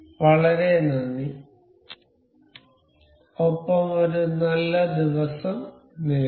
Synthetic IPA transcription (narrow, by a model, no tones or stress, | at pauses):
ʋɐɭɐɾe̞nɐnːi | opːɐmo̞ɾunɐlːɐd̪iʋɐsɐm | neː